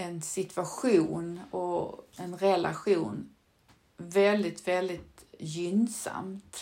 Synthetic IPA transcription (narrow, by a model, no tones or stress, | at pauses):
ɛnsɪt̪ʰvaɧuːnɔɛnɾɛla̰ɧuːn | vɛld̪ɪt̪vɛld̪ɪt̪jʏnsa̰mt̪